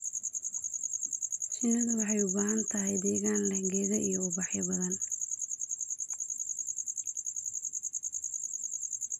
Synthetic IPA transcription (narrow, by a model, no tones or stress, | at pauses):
sɪnɐðɐwɑħɑjʊbaːɦɐnt̪ʰɐɦɛjd̪ɛːɣaːnlɐɡɛːɣɐʔijɔʊbɑħjɐbɐðɐn